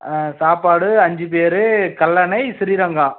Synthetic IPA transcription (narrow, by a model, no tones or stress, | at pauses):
saːpaːɽɯɐɲd͡ʒɯpeːɾɯkɐlːɐnɐɪsɪɾiɾɐŋɡãː